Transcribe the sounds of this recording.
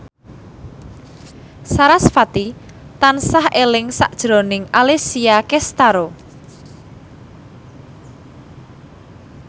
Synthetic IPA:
saɾasfat̪i | t̪ansahʔelɪŋsa̰ʔd̥ʒ̥ɾonɪŋalesiakɛst̪aɾo

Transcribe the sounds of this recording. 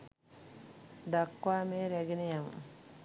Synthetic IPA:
d̪akːwaːmeɾɛɡinejam

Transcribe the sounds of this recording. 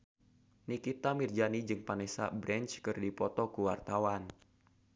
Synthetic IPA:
nikit̪amird͡ʒanid͡ʒɨŋpanɛsa̰bɾʔɛnt͡ʃkɨrdipɔt̪ɔkuwart̪awan

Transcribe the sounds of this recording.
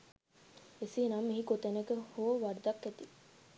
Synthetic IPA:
esiːnamːiɦikot̪enekehoːʋɐɾd̪ɐkːet̪i

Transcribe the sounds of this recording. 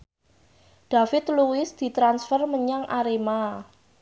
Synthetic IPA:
ɖ̥a̤fɪt̪̚luɪsd̪̥i̤t̪ɾansfərməɲaŋʔaɾema

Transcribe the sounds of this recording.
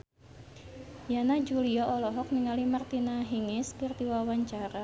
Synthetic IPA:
janad͡ʒuliɔɔlɔɦɔk̚niŋalimart̪inaɦiŋɪskɨrt̪iwawaɲt͡ʃaɾa

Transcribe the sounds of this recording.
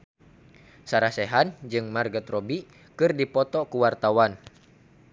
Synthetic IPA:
saɾasɛɦand͡ʒɨŋmarɡət̪rɔbi | kɨrdipɔt̪ɔkuwart̪awan

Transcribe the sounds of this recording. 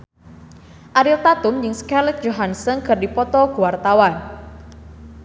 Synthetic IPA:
ʔaɾilt̪at̪ʊmjɪŋskɛlɪk̚d͡ʒoɦansəŋkʰɨrdipɔt̪ɔɡuwart̪awan

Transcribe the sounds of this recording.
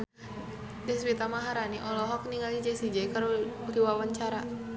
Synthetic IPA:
dɛswit̪amaɦaɾaniʔɔlɔɦɔk̚niŋalid͡ʒɛsid͡ʒɛkaɾudiwawaɲt͡ʃaɾa

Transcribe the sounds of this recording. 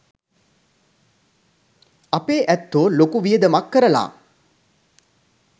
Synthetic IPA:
apeːʔæt̪ːolokuʋijəd̪əmakːəɾəla̰ː

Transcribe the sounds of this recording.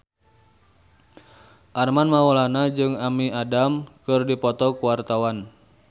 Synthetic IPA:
ʔarmanmawolanad͡ʒɨŋamiadamkɨrdipɔt̪ɔkuwart̪awan

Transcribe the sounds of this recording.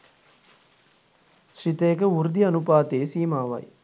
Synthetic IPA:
ʃɾit̪eːkɐuɾd̪iɐnupaːt̪eːsiːmaːʋɐ̰j

